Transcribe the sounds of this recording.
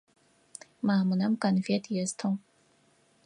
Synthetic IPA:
maːmɨnɐmkɐnvetʰʼjɛztʰɐm

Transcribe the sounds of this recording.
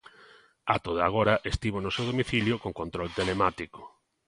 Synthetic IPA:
at̪oða̰ɣ̞oɾɐʔest̪iβonosewðomiθiljʊkoŋkont̪ɾolt̪elemat̪iko̥

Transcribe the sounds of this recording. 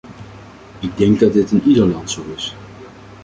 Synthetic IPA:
ɪɡ̚dɛŋɡ̚dɑd̚dɪtɪnidəɹlɑntsowɪs

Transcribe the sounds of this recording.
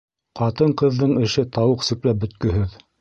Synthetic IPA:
qɑt̪ɤɴqɤ̆ðːɤɴɘ̆ʃɘt̪ɑwɤqsɵ̆klæp̚bɵ̆t̪̚kɵ̆ɦɘð

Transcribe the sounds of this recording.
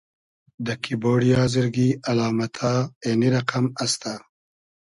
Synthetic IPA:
d̪əkʰiboːɽijɑzəɾɡialɑːmat̪ʰaeniɾaqamast̪a

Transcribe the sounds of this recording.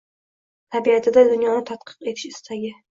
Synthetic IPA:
t̪ʰabiat̪ʰɪd̪ad̪ʊnjɒnɪt̪ʰat̪̚qʰɨ̥qe̞t̪ʰɪʃɪst̪ʰaɡʲɪ

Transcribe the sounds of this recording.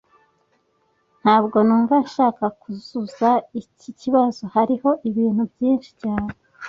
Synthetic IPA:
n̥haːbɡo̞nuːɱvaʃaːkakuz̥uzaiciciβazo̞haɾiho̞ʔiβiːn̥ubjiːnʃi̥caːne

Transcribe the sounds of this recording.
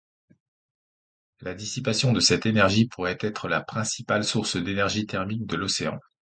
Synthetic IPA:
lad̪isipasjɔ̃d̪əsɛt̪enɛʁʒipʰuʁɛt̪ɛt̪χəlapχɛ̃sipalsuʁsd̪enɛʁʒit̪ɛʁmik̚d̪əlɔseɑ̰̃

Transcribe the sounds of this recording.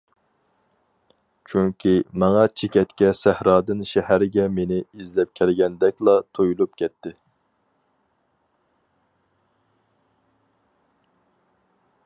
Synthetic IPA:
t͡ʃʰyŋkʲʰimɑŋɑt͡ʃʰekʲɛt̪kʲɛsæhɾɑːd̪ɨnʃɛhæɾɪɡʲɛmenɪizlɛp̚kʲʰɛlɡʲɛnd̪ɛkʲlˠɑt̪ʰojulˠup̚kʲʰɛt̪ʰːɪ

